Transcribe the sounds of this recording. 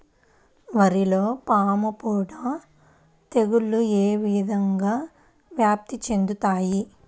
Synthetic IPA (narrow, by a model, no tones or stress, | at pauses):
ʋɐɾilo̞ːpaːmɐpuːɽaː | t̪e̞ɡuɭːueːʋid̪ʱɐŋɡaː | ʋjaːp̚t̪it͡ʃe̞nd̪ut̪aːji